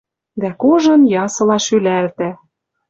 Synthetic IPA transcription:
d̪ækoʒɤ̆njɑsɤ̆lɑʃylælt̪æ

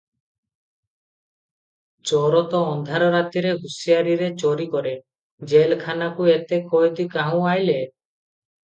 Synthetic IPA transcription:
t͡ʃɔɾɔt̪ɔːnd̪ʱaɾɔɾat̪iɾeɦusiaɾiɾet͡ʃɔɾikɔɾe | d͡ʒelkʰanakuet̪ekɔjt̪ikaɦũajle

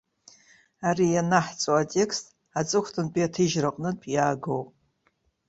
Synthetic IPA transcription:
aɾijanaħt͡sʼoatʼe̞kʰstʼ | at͡sʼɨkʷʰtʰɨnpʼiatʰɨʒraqʼnɨpʼjaːɡowpʼ

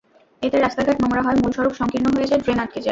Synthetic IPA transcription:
et̪eɾast̪aɡʱaʈnɔmoɾaɦɔemulʃɔɾokʃɔŋkiɾnːoɦojet͡ɕʰeɖɾenaʈ̚ked͡ʑa

